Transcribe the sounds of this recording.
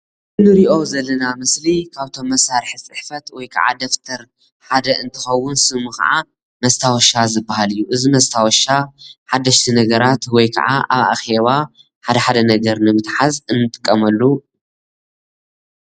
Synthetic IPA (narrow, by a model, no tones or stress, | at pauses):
ɨnɨɾiʔo̞zɐlːɐnamɨslikʰaβt̪ʰo̞mːɐsːaɾħɨt͡sʼɨħfɐt̪wɔjkʰɐ̰ʕa̰d̪ɐft̪ʰɐɾ | ħad̪ɐʔɨnt̪ʰɨxɐwːʊnsɨmuxɐ̰ʕa | mɐst̪ʰawɔʃazɨbːahalɨjːuʔɨzimɐst̪ʰawɔʃaħad̪ːɐʃt̪ʰinɐɡɐɾat̪wɔjkʰɐ̰ʕa̰ʔa̰βa̰xe̞βa | ħad̪ɐħad̪ɐnɐɡɐɾnɨmɨt̪ħazɨnːɨt̪ʼɨ̥kʼːɐmɐlːu